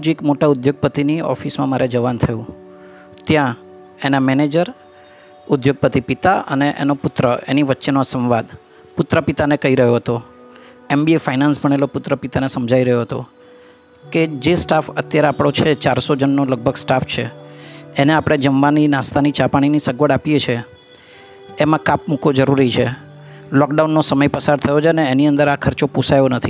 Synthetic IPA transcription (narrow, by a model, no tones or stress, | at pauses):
d͡ʒekmoʈaʊd̪joɡ̚pət̪iniɔ̰fismãmaɾʔed͡ʒəʋant̪ʰəjũ | t̪jã | enamɛned͡ʒəɾ | ʊd̪joɡ̚pət̪ipit̪aʔə̰neʔḛnopʊt̪ɾəḛniʋətːʃenoasə̃mʋad̪ | pʊt̪ɾəpit̪anekəɦiɾəɦjoɦət̪o | embiefainansbʱəɳ̃elopʊt̪ɾəpit̪anesəmd͡ʒʱaiɾəɦjoɦət̪o̰ | ked͡ʒesʈafət̪jaɾeapɽ̃ot͡ʃʰet͡ʃaɾsod͡ʒənːoləɡ̚bʱəɡsʈaft͡ʃʰeː | neapɽ̃ed͡ʒəmʋaninast̪anit͡ʃapaɽ̃inisəɡʋəɽapijet͡ʃʰe | mãkapmukod͡ʒəɾuɾit͡ʃʰḛ | lɔkɖaunːosəməjpəsaɾt̪ʰəjot͡ʃʰəneːniənd̪əɾakʰəɾt͡ʃopusajonət̪ʰi